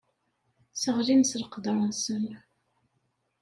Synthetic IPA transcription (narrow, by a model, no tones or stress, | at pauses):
səʁlinsɾqd̪ˤɾˤəsən